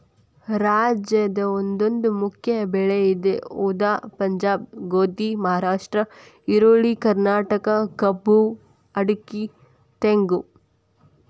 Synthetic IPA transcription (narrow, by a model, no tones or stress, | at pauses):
ɾaːd͡ʒjɐd̪ɐond̪o̞nd̪umukʰjɐbɛɭeid̪euːd̪aːpɐɲd͡ʒaːb̚ɡoːt̪imɐɦaːɾaːʂʈɾɐ | iɾoːɭikɐɾnaːʈɐkɐkɐbu | ɐɽuki | t̪eŋɡu